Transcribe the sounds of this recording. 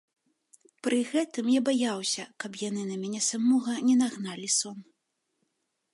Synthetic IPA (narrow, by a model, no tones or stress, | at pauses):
pɾɨɣɛt̪ɨmjabajawsʲɐkɐpjanɨnɐmʲanʲɛsamɔɣɐnʲɛnaɣnalʲisɔn